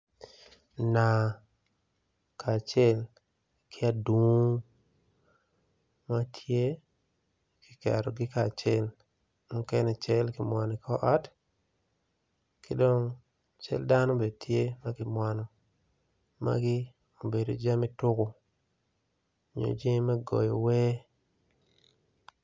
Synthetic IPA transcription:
na˨ | kaː˨t͡ʃɛ˦l | kʰɪ˦a˦du˨˦ | ma˦tʰje˦ | kɪ̥˨ka̰˨ɾɔ˨ɡɪ˦ka˨t͡ʃɛ˦l | mʊ˦kɛ˦nɛ˨t͡ʃɛ˦lkɪ˨mwa˨ni˨kɔ˦ʔa˦t | kɪ˦dɔ˦ŋ | t͡ʃɛ̰˦lda˦nɔ˦be˨dtʰje˦ma˦kɪ˨mwa˨nɔ˨ | ma̰ɡɪ˦ | o˨be˨do˨d͡ʒa˦mɪ˦tʊ˦kʊ˨ | ɲo̰˨d͡ʒe˦ma˦ɡɔ̰˨jɔ˨wɛ˦

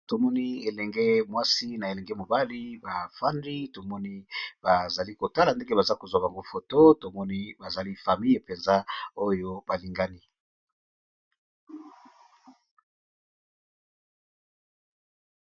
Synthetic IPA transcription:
to˨mɔ˦ni˦e˨lɛ˨ŋɡe˦mwa˦si˦na˨e˨lɛ˨ŋɡɛ˦mo˨ba˦li˦ba˨fa˦ndi˦to˨mɔ˦ni˦ba˨za˨li˦ko˨ta˦la˨nde˦ŋɡe˦ba˨za˦ko˨zwa˨ba˨ŋɡo˦fo˨to˦to˨mɔ˦ni˦ba˨za˨li˦fa˨mi˦je˨pe˨nza˦o˦jo˦ba˨li˨ŋɡa˦ni˦

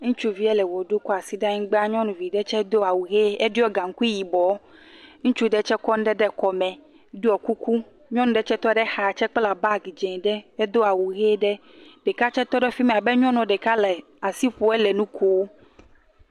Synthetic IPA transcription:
ŋũ˦t͡ʃu˦vi˦ɛ˦lɛ˨wɔ˨ɖu˦kɔ˦a˨si˦ɖa˦ɲĩ˦ɡ͡be˦a˦ɲɔ̃˦nũ˨vi˨ɖɛ˦t͡ʃɛ˦d̪o˦a˨wu˨ɣe˦ɛ˦ɖi˦ɔ˦ɡã˨ŋ˦ku˦ji˨bɔ˨˦ŋũ˦t͡ʃu˦ɖɛ˦t͡ʃɛ˦kɔ˦n˦ɖɛ˦ɖɛ˦kɔ˨mɛ̃˨ | ɖi˦ɔ˨ku˦ku˦ | ɲɔ̃˦nũ˨ɖɛ˦t͡ʃɛ˦t̪ɔ˦ɖɛ˦xa˨t͡ʃɛ˦k͡pla˨ba˦˨ɡi˨d͡ʒɛ̃˨ɖɛ˦ɛ˦d̪o˦a˨wu˨ɣe˦ɖɛ˦ | ɖ̥ɛ˨ka˦t͡ʃɛ˦t̪ɔ˦ɖɛ˦fi˦mẽ˨a˨bɛ˦ɲɔ̃˦nɔ̃˨ɖɛ˨ka˦lɛ˨ | a˨si˦ɸo˨˦ɛ˦lɛ˨nũ˦kʰo˦wo˦

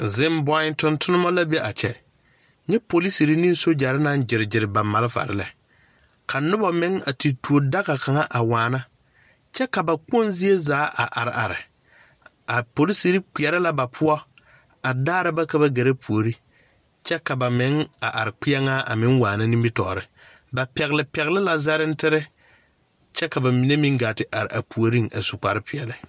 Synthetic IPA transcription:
zɪ˦mbɔ˦ɪ̃˦ntʊ˦ntʰʊ˦nʊ˦mɔ˦la˦be˦ʔa˨t͡ʃɛ̰˨ | ɲɛ˦po˨li˦si˨ɾi˦ni˦so˦d͡ʒa˨ɾɪ˦na˦nd͡ʒɪ˨ɾɪ˨d͡ʒɪ˨ɾɪ˨ba˨ma˨lɪ˦fa̰˨ɾɪ̰˦lɛ˨ | kʰa˨nʊ˦ba˨mɪ˨˦ŋa˨ti˨tu˨o˨da˦ɣa˨ka˨ŋa˦ʔa˨waː˨na˦ | t͡ʃɛ˦ka˨ba˨k͡po˦nzi˦e˦zaː˨˦ʔa̰˨ʔa˨ɾɪ˨ʔa˨ɾɪ˨ | a˨po˨li˦si˦ɾi˦k͡pɪ˨ɛ˨˦ɾɪ˦la˦ba˨pʰʊ˦ɔ˦ | a˨daː˦ɾɪ˦ba˦ka˦ba˦ɡe˨ɾa˦pʰu˨o˨ɾi˦ | t͡ʃɛ˦ka˨ba˨mɪ˨˦ŋa˨ʔa˨ɾɪ˨k͡pɪ˦ɛ˦ŋa˦ʔa̰˨mɪ˦ŋwaː˨na˦ni˦mbɪ˦tɔ̰˨ɾɪ˦ | ba˨pɛ˨ɣɪ˨lɪ˨pɛ˨ɣɪ˦lɪ˦la˨za˦ɾɪ˦n̩˦tɪ˦ɾɪ˦ | t͡ʃɛ˦ka˨ba˨mi˨ne˦mĩ˦ŋɡaː˨tɪ˨ʔa˨ɾɪ̰˨a̰˨pu˨o˨ɾi˦ŋa̰˨su˨k͡pa˨ɾɪ˦pɪ˨ɛ˨lɪ˦

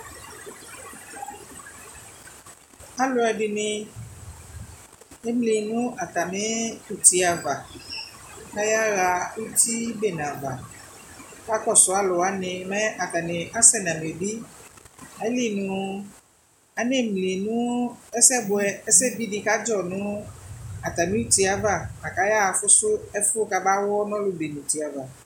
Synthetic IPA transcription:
a˦lʊ˨˦ɛ˧ɖɪ˧nɪ˧ | e˦mli˨nũ˦ʔa˨ta˨nẽ˦u˦˨t̪i˨a˨va˨ | ka˦ja˦ɣa˧u˦t̪i˦be˨nã˨va̰˨ | ka˦kɔ˦˨sɔ˨˦a˦lɔ˨a˨˦nɪ̃˧mɛ̃˦a˨ta˨nɪ˨ʔa˦sɛ˦˨nã˨m˨e˨bi˦ | a˨˦li˦˨nũ˨ | a˨nɪ˦˨mli˨nũ˦ɛ˦sɛ˦bʊ˨ɛ˦ɛ˦sɛ˦bi˦ɖi˦ka˦d͡ʒɔ˨nʊ̃˦ | a˨t̪a˨mɪ̃˦u˦˨t̪i˦a˨va˦˨a˨ka˨˦ja˦a˧fʊ˦sʊ˦ɛ˦fʊ˦ka˦ba˦wɔ˦nɔ̃˦lʊ˨be˨nũ˨t̪i˨a˨va˨

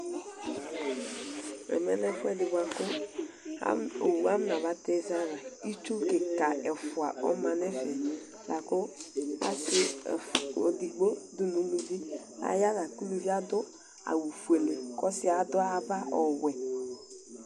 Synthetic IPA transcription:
ɛ̰˨mɛ˦nɛ˦fɛ˦dɪ˨ba˨kʊ̰˦ | o˨wu˨˦a˦m˦na˨βa˨˦te˦za˦ɾa˨i˦t͡ʃu˦ke˨ka˨ɛ˨fʊ˨a˨ɔ̰˦ma˨ne˦fɛ˨ | la˨kʊ˦a̰˦sɪ˦˨fo̰˨di˨ɡ͡bo˦du˦nu˨˦lo˨zi˦ | a̰˨ja˦la˨ku˦lu˦vi˦a˦dʊ˦ | a̰˨wu˨fu˨e˨le˨kɔ˦sɪ˦a˨dʊ˦a˨ba˦ɔ˨wɛ˨

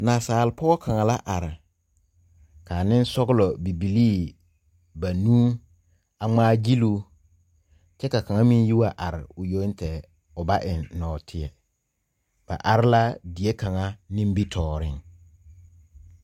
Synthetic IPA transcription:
naː˨saː˨lɪ˨pʰɔ˦ɡɔ˦kʰa˨ŋa˨la˦ʔa˨ɾɪ˨ | kʰaː˨nɪ̃˦n˦sɔ˦ɡʊ˦lɔ˨bi˨bi˨li˦ | ba˨nũː˦ | a˨ŋ͡maː˦d͡ʒi˦lu˦ | t͡ʃɛ˦ka˨ka˨ŋa˦mĩ˦n˦ji˦wa˨ʔa˨ɾɪ˨ʊ˨jo˦n˦tʰɛ˨ | ʊ˨ba˦ʔɪ˨nːɔː˨tʰɪ˦ɛ˨ | b̥a̰˨ʔa˨ɾɪ˦la˦di˨e˦kʰa˨ŋa˦nĩ˦m˦bi˦tʰɔː˨ɾɪ˦ŋ

